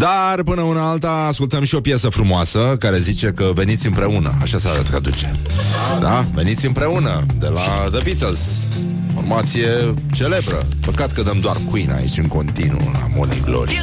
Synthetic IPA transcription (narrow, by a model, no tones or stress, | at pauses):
d̪arpɨnəunəalt̪aːskult̪əmʃio̞pjasəfɾumoasəkaɾe̞zit͡ʃe̞kəve̞nit̪sʲɨmpɾe̞unəaʃasəaɾat̪kad̪ut͡ʃe̞ | d̪ave̞nit̪sʲɨmpɾe̞unəd̪e̞la | d̪əbit̪elz | ifo̞rmat̪sije̞ | t͡ʃe̞le̞bɾə̰ | pəkat̪kəd̪əmd̪oarkuina̰ḭt͡ʃʲɨŋko̞nt̪inṵla̰mo̰nḭɡlo̰ɾḭ